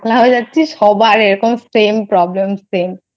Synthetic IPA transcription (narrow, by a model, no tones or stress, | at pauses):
laɦɔed͡ʑatːsʰiʃɔbaɾeɾokomsempɾɔblemsem